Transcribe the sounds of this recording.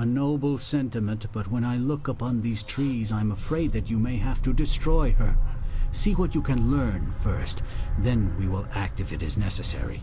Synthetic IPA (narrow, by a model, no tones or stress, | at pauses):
ənoʊbl̩ˠsɛ̃ntɨmɨ̃nʔb̥ʌt̚wə̃ñaɪlʊkʌpʰɑ̃nðiz̥tʰɹ̥izãɪɨ̃məfɹeɪd̪̚ðɨt͡ʃɨmeɪɦæftɨdɨstɹ̥ɔɪə˞siwʌt͡ʃɨkʰɨ̃nlɜ̃˞nfɜ˞stðɨ̃nwiwɪ̰lˠæk̚tɨfɨɾɨznɛsɨsɛ̰ɹḭ